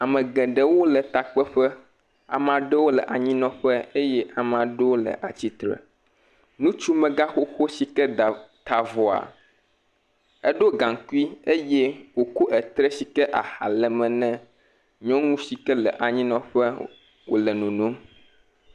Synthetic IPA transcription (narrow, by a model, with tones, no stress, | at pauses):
a˨mɛ̃˨ɡɛ̃˨ɖɛ˦wo˦lə˨t̪a˨k͡pɛ˦ɸɛ˦ | a̰˨mã˨ɖɛ˦wo˦lɛ̰˨ʔa˨ɲĩ˦nɔ̃˦ɸɛ˦e˦jɛ˦ʔa˨m˨ã˨ɖɛ˦wo˦lə̰˨ʔa˨t͡ɕi˦t̪ɾɛ̰˨ | nũ˦t͡ʃu˦mɛ̃˨ɡa˦xo˦xo˦si˦kɛ˦˨t̪a˨vɔ˨a̰˨ | ɛ˦ɖo˦ɡã˨ŋku˦i˦e˦jɛ˦wo˨ku˦ʔɛ˨t̪ɾɛ˦si˦kɛ˦ʔa˨ha̰˨lɛ˨mɛ̃˨nɛ̃˦ | ɲɔ̃˦ŋũ˦si˨kɛ˦lɛ̰˨ʔa˨ɲĩ˦nɔ̃˨ɸɛ˦ | wo̰˨lɛ˨nũ˨nũ˦